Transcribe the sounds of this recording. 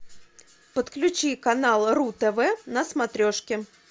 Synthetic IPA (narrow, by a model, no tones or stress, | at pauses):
pət̪klʲʉt͡ɕikɐnalˠrut̪ɛvɛnəsmɐt̪ɾʲoʂkʲɪ